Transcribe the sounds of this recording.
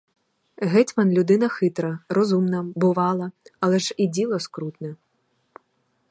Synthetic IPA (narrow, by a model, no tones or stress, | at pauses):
ɦɛtʲmɐnlʲʊd̪ɪnɐxɪt̪ɾɐrɔzumnɐbʊʋɑlˠɐɐlˠɛʒidʲilˠɔskɾut̪nɛ